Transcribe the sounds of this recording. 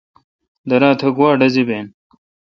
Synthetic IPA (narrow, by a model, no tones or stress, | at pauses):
d̪ɐɾaːt̪ʰɐɡwaːɖɐzibeːn